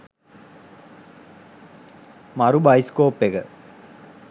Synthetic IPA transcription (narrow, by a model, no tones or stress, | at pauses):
maɾubajskoːpːeɡə